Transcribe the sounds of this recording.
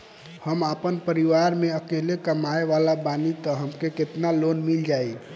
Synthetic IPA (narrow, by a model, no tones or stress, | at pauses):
həmapənpəɾiʋaɾmeəkelekəmaeʋalabanit̪ɔɦəmkeket̪nalonmild͡ʒai